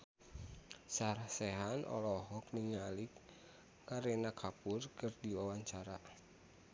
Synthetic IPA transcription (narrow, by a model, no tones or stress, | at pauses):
saɾasɛɦanʔɔ̰lɔɦɔkniɲalikː | aɾɛnakʰapurkɨrdiwawaɲt͡ʃaɾa